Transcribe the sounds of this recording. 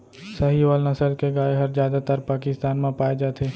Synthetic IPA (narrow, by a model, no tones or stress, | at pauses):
səɦiʋaːlnɐsəlkeɡaːeɦɐɾzjaːd̪at̪əɾpaːkɪst̪aːnmãpaːed͡ʒaːt̪ʰeː